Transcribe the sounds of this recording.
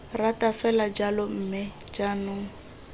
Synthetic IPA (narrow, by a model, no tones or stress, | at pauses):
ratʼafɛlad͡ʒalɔm̩mɪd͡ʒanʊ